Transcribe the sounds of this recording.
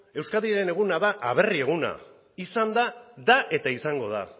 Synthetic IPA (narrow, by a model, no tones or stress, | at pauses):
e̞wskaðiɾe̞ne̞ɣ̞unaðaʔaβ̞e̞rie̞ɣ̞una̰ | isand̪ad̪aʔe̞t̪aisaŋɡo̞ð̞a̰